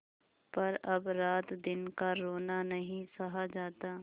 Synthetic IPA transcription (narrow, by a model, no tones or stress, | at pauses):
pɐɾɐbɾaːt̪d̪ɪnkaɾoːnanɐɦĩsɐɦad͡ʒaːt̪aː